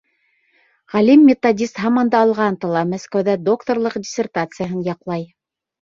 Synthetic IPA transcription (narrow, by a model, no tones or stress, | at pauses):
ʁælimːʲɪt̪odʲist̪ɦɑmɑnd̪ɑːlˠʁɑnt̪ɑlˠɑmæskæwðæd̪okt̪orlˠɤqdʲɪsʲɪrt̪at̪sɨjaɦɤnjɑqlˠɑj